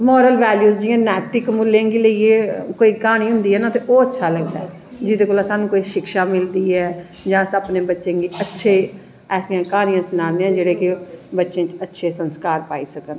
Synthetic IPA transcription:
mɔːɾəlʋɛːljuːzd͡ʒɪjãːnɛːʈ̪ɪkmʊlːẽɡiːləieːkoːiːkaːɽ̃iːɦʊ̃nd̪iːɦɛːnãːt̪eːʔoːətːʃʰaːləɡd̪aɛ | d͡ʒɪd̪eːkoːlaːsaːnũːkoːiːʃɪkʃaːmɪld̪iːɦɛː | d͡ʒãːsəpnẽːbətːʃẽːɡiːətːʃʰeː | ɛːsijãːkaːɽ̃ijãːsnaːnẽːãːd͡ʒeːɽeːkɪbətːʃẽːt͡ʃətːʃʰeːsənskaːɾpaːḭːsəkən

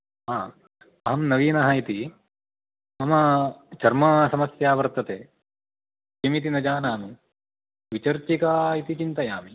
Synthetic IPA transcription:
ɦaː | ɐɦɐmnɐʋiːnɐɦɐit̪i | mɐmɐt͡ʃɐɾmɐsɐmɐsjaːʋɐɾt̪ɐt̪eː | t͡ʃimit̪̬inɐd͡ʒaːnaːmu | ʋit͡ʃɐɾt͡ʃikaːit̪it͡ʃint̪ɐjaːmi

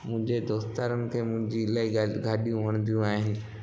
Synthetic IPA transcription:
mʊ̃ɦɪ̃ɲd͡ʑed̪oːst̪aːɾənɪ̆kʰeːmʊ̃ɦɪ̃ɲd͡ʑilaːiɡʱaːɗijũʋɐɽ̃nd̪ijũaːɦɪnɪ̆

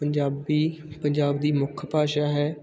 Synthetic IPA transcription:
əɲd͡ʒaːbiːpəɲd͡ʒaːbd̪iːmʊkʰpaːʃaːɦɛː

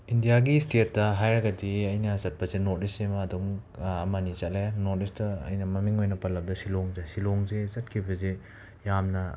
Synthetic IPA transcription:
indijaɡistet̚ːɐɦajɾɐɡɐdiɐjnɐsɐt̚pɐzenot̚isemɐːduŋɐmɐnit͡ʃɐlenot̚istɐɐ̰jnɐmɐmiŋojnɐpɐlːɐp̚dɐsiloŋzesiloŋzezɐt̚kʰibɐze | jamnɐ

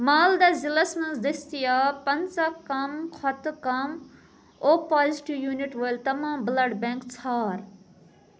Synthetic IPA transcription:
maːld̪ɐzilɐsmɐ̃nzd̪ist̪ijaːpɐnt͡sɐkɐmkʰɐt̪kɐm | oːpaːziʈiʋjuːniʈʋojlt̪ɐmãːblɐɖbẽŋkt͡sʰaːɾ

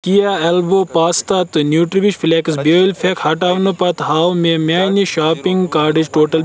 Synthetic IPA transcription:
kijaɐlboːpaːst̪ɐt̪ɨnjuːʈɾiʋiʃfileksboilfʰekhɐʈaːʋnɨpɐt̪ɦaːwmemʲaːniʃaːpiŋɡkaːɖid͡ʒʈoːʈɐl

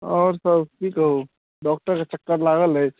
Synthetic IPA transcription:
ɔːɾsəbʈʰiːkɦo | ɖɔːk̚ʈəɾkat͡ʃɐkːəɾlaːɡəlɦɛ

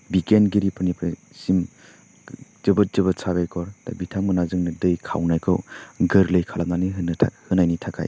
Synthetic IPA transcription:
bikenɡiɾipʰɯnipʰɾi | sim | z̥ɯbɯt̚z̥ɯbɯtsaβajkʰɔɾta̰bitʰamɯnazɯŋnɯdɯjkʰa̰wnajkʰɯ̰wɡɯɾlɯjkʰalam̚naniɦɯnʰa̰hɯnajnitʰakʰa̰j

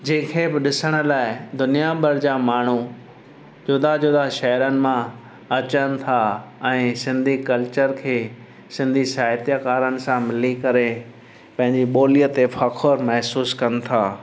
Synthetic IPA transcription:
d͡ʑẽːkʰebɪɗɪsəɽ̃ə̆laːɪd̪ʊnijabʱɐɾd͡ʑaːmaːɳ̤u | d͡ʑʊd̪ad͡ʑʊd̪aʃɐɦɾənɪ̆mã | ɐt͡ɕənɪ̆t̪ʰaɛ̃ːsɪ̃nd̪ʱikɐlt͡ɕəɾkʰeː | sɪ̃nd̪ʱisaːɦt̪jəkaːɾənɪ̆sãmɪlikɐɾe | pɐ̃ɦɪ̃ɲd͡ʑiɓoːlijət̪efʰɐkʰoɾmɛɦsuːskɐnɪ̆t̪ʰaː

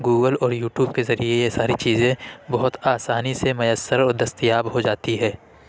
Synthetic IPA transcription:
ɡuːɡəlɔːɾjuːʈjuːbkezɐɾiejesaːɾit͡ʃiːzẽbɐɦʊt̪aːsaːnisemɐjəsːəɾɔːɾd̪ɐst̪jaːbɦod͡ʒaːt̪iɦɛ̃ː

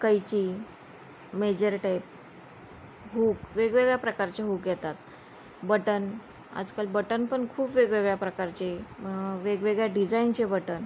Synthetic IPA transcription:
kəjt͡ɕiː | med͡ʑəɾʈajp̚ | ɦukʋeɡʋeɡɭjapɾəkaɾt͡ɕeɦuːkjɛt̪at̪ | bəʈən | a̰d͡zkalbəʈənpəɳkʰuːpʋeɡʋeɡɭjapɾəkaɾt͡ɕeʋeɡʋeɡɭjaɖid͡zaint͡ɕebəʈən

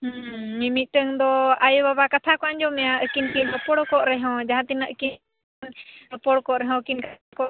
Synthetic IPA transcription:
hmimit̪̚ˀʈəŋd̪ɔajuβaβakat̪ʰakɔaɲd͡ʒɔmɛaʔəkinkinɔpɔɽɔkɔʔɾɛɦɔ̃d͡ʒaɦãt̪inaʔəkin | npɔɽkɔʔɾɛɦɔ̃kinkakɔ

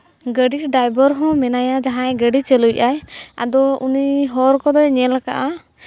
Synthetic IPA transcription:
ɡəɖiʈɖajbəɾɦɔ̃mɛnajad͡ʒaɦãjɛɡəɖit͡ʃɛlujʔaja̰d̪ɔuniɦɔɾkɔd̪ɔɲɛlaka̰ʔa

